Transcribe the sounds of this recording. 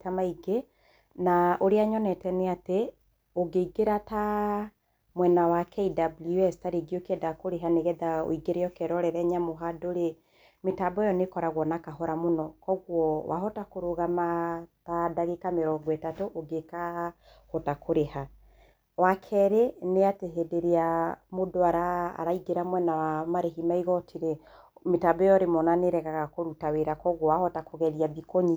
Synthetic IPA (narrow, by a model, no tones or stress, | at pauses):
tamaiɡe | naʔoɾeaɲɔnɛtɛneate | oɡeiɡeɾata | mwɛnawakʰɛidabluɛstaɾeɡiokeɛdakoɾeɦaneɣɛðao̰iɡeɾejɔkɛɾɔɾɛɾɛɲamoɦadoɾe | metaːbɔejɔnekɔɾaɣwɔnakaɦɔɾamonɔkɔɣwɔwa̰ɦɔtakoɾoɣamatadaɣekameɾɔɡwɛtatoʔːɡeka | hɔtakʰoɾeha | wakʰɛɾeneateɦedeɾeamodoaɾa̰ːɾaiɡeɾamwɛnawamaɾeɦimaiɣɔtʰiɾɛ | metabjɔɾemɔnaneɾɛɣaɣakoɾutaweɾakɔɣwɔwahɔtakoɣɛɾijaβikoɲi